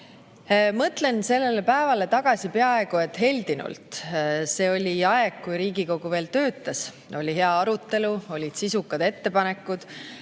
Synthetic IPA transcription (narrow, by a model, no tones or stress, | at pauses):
mɤt̪le̞nse̞lːe̞lepæevɑle̞t̪ɑɡ̥ɑsʲipe̞ɑe̞ɡue̞t̪ːˑɦe̞lʲd̪inṵlt̪se̞ːo̞lʲiɑeɡ̥kːujɾiːɡiko̞ɡ̥uve̞ːlt̪ø̞ːt̪ːˑɑs | o̞lʲiɦe̞ɑɑɾut̪ːˑe̞luo̞lʲid̪̥sisukːˑɑd̪e̞t̪ːe̞pɑne̞kːˑud̪̥